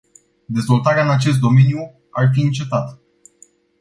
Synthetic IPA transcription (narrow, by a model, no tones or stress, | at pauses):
d̪e̞zvo̞lt̪aɾeaɨnat͡ʃe̞st̪d̪o̞menju | arfiɨnt͡ʃe̞t̪at̪